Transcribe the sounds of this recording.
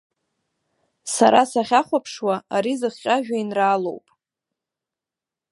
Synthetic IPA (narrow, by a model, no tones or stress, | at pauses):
saɾasaχʲaχʷapʰʂwaaɾizɨχʲqʲʼaʒᶣainraːlo̰wpʼ